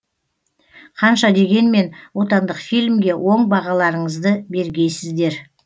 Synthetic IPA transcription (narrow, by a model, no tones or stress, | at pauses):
qʰɑnʃɑd̪e̞ɡʲe̞nme̞nwo̞t̪ɑnd̪əqfijlʲmɡʲe̞wʔo̞ɴbɑʁɑlˠɑɾəɴəzd̪əbe̞ɾɡʲe̞jsɪzd̪e̞ɾ